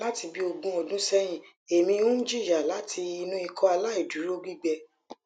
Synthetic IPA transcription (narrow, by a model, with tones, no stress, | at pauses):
la˦ti˧bi˦o˧ɡũ˧ɔ˨dũ˨˦sɛ˦j̃ĩ˨ | e˨mĩ˧˦˧ũ˦d͡ʒi˦˨ja˨la˨˦tʰi˧i˧nũ˦i˧kʰɔ˧a˧la˦i˦˨du˨˦ɾo˦ɡ͡bi˦˨ɡ͡bɛ˧